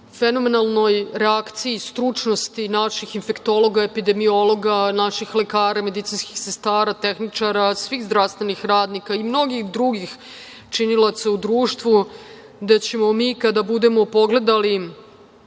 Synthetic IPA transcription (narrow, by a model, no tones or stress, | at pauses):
feno̞me̞nalˠno̞jɾeakt̪siːst̪ɾut͡ʂno̞st̪inaʃixinfe̞kt̪o̞lo̞ɡaepid̪e̞mio̞lo̞ɡanaʃixle̞kaːɾame̞d̪it̪sinski̥xsest̪aːɾat̪exnit͡ʂaɾasʋixzd̪ɾafst̪ve̞nixɾaːd̪nikaimno̞ɡixd̪ɾuɡix | t͡ʂinilˠat̪saud̪ɾuːʃt̪ʋu | d̪at͡ɕe̞mo̞miːkad̪abud̪e̞mo̞po̞ɡle̞d̪ali